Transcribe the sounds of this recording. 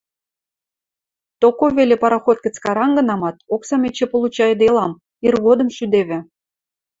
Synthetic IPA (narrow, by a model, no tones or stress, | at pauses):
t̪okoβelʲĕpɑɾɑxot̪̚kə̆t͡skɑɾɑnɡɤ̆nɑmɑt̪̚oksɑmʲet͡ɕĕpolˠut͡ɕɑjd̪elˠɑm | irɣod̪ə̆mʃyd̪eβʲɘ̆